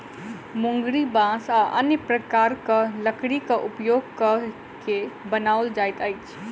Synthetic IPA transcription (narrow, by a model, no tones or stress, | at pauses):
mʊ̃ŋɡɽibãːsaʔɐnjəpɾəkaːɾkaləkɽikaʔʊpjoːɡ̚kə | kebənaːʊld͡ʒaːjt̪ajt͡ʃʰ